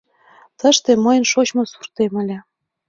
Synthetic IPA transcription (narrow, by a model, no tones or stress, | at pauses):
t̪ə̆ʃt̪emɤjə̆nʃot͡ɕmŏsurt̪emə̆lʲĕ